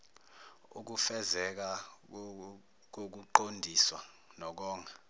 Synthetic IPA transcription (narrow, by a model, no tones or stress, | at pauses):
ṵk̬ufɛzɛk̬a | k̬ok̬uǃondʱiswa | nɔk̬ɔːŋʱa